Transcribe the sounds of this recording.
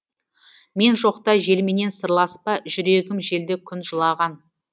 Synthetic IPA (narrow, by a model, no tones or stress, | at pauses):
me̞nʒo̞qt̪ɑʒe̞lmene̞nsəɾlˠɑspɑʒʏɾe̞ɡʲɪmʒe̞ld̪ekʲʰʏnʒəlˠɑʁɑn